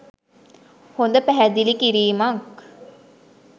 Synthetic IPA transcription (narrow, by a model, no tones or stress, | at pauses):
hond̪əpæɦæd̪ilikiɾiːmak